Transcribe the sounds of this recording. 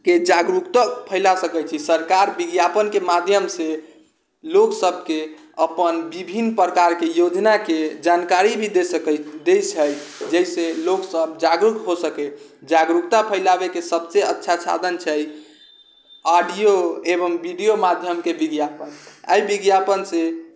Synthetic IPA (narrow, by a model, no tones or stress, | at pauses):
ked͡ʒaɡɾukt̪apʰəɪlasəkɛt͡ʃʰisəɾkaɾbiɡjapənkemad̪ʱjəmse | loksəb̚ʱke | əpənbibʱinːpɾəkaɾkejod͡ʒnaked͡ʒankaɾibʱid̪ed̪ejt͡ʃʰəjd͡ʒəjseloksəbd͡ʒaɡɾukɦosəkɛd͡ʒaɡɾukt̪apʰəɪlabekesəbseətːʃʰasʰa̰d̪ʱənt͡ʃʰəj | aɖijoebəmbiɖijomad̪ʱjəmkebiɡjapəna̰jbiɡjapənse